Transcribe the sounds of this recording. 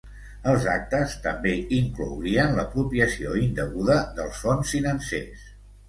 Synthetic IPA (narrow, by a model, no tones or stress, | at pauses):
əlˠzak̚t̪əst̪əmbeiŋklo̰wɾiənləpɾupiəsioind̪əɣuðəðəlˠsfonsfinənsḛs